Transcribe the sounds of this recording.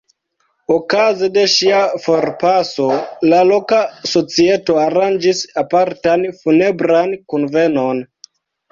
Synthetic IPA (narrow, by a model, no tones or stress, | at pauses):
okazede̞ʃiafo̞ɾpaso̞lalo̞kaso̞t͡sie̞to̞aɾand͡ʒisapaɾtanfune̞bɾankonve̞no̞n